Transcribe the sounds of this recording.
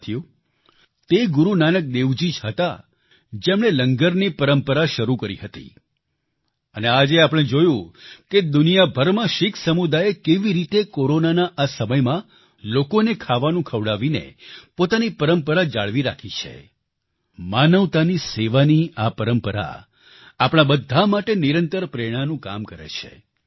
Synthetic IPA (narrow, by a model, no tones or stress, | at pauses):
t̪ʰju | t̪eɡuɾunanək̚d̪eʋd͡ʒid͡ʒɦət̪a̰ | d͡ʒemɽ̃eləŋɡəɾnipəɾəmpəɾaʃəɾukəɾḭɦət̪ḭ | ənead͡ʒeapəɽ̃ed͡ʒojũked̪unijabʱəɾmãʃɪkʰsəmud̪ajekeʋiɾit̪ekoɾonanaʔasəməjmã | lokonekʰaʋanũkʰəʋɽaʋinḛpot̪anipəɾəmpəɾad͡ʒa̰ɭʋiɾa̰kʰit͡ʃʰḛ | manəʋt̪aniseʋaniapəɾəmpəɾa̰ | apɽ̃abəd̪ʱːamaʈeniɾənt̪əɾpɾeɽ̃anũka̰mkəɾḛt͡ʃʰḛ